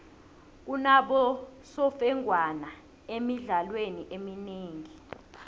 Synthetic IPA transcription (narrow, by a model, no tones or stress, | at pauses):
k̬unaɓɔsɔfɛŋʱwana | emiɮalweniʔemineːŋi